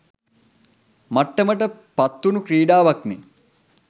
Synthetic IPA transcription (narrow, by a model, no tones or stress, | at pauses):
maʈːəməʈ̬əpat̪ːunukɾiːɖaːʋakmi